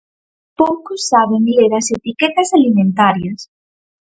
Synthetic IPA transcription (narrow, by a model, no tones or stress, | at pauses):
powkosːaβeŋleɾɐset̪iket̪ɐsalimẽnt̪aɾjɐs